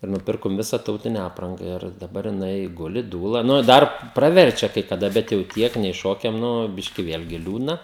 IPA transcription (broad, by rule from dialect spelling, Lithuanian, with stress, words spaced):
ɪ nʊˈpʲɪrkoːm ˈʋʲɪsɐ ˈtɐʊtʲɪnʲɛ ˈɑːprɐŋɡɐ ɪr dɐˈbɐr jɪˈnɐɪ ˈɡʊlʲɪ ˈduːlˠɐ nʊ ɪ ˈdɐr prɐˈʋʲɛrʲt͡ʃʲɛ kɐɪ kɐˈdɐ bʲɛt jɛʊ ˈtʲiɛk nʲɛɪ ˈʃoːkʲɛm ˈnʊ ˈbʲɪʃʲkʲɪ ˈʋʲeːlʲɡʲɪ ˈlʲuːdnɐ